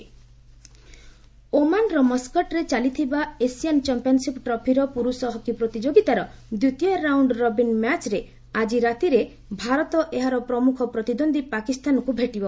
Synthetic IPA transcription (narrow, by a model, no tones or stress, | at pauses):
omanɾɔmɔskɔʈɾet͡ʃalit̪ʰibaesijant͡ʃampiɔnsipʈɾɔpʰiɾɔpuɾusɔɦɔkipɾɔt̪id͡ʒoɡit̪aɾɔd̪ɾut̪ijɔɾawɳɖɾɔbinmat͡ʃɾe | ad͡ʒiɾat̪iɾe | bʱaɾɔt̪ɔʔeɦaɾɔpɾɔmukʰɔpɾɔt̪id̪ond̪ʱipakist̪anɔkubʱeʈibɔ